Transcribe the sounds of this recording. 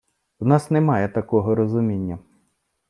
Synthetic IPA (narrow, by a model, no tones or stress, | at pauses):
wnɑsnɛmɑjɛt̪ɐkɔɦɔɾɔzʊmʲinʲːɐ